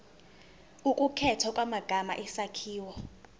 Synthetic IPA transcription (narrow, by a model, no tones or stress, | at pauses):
ukʼukʰɛtʰɔkʼwamaɡ̥ʱama̰ʔɛsakʰiːwɔ